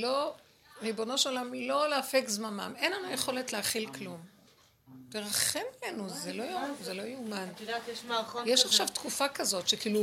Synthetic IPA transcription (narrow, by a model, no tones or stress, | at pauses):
lo̞ | ʁibo̞no̞ʃolamlo̞leafekzmama̰me̞nlanujeχo̞le̞tleaχilklum | teʁaχemlenuzelojzelo̞jeuman | jeʃaχʃavt̪kufakazo̞tʃekiːlu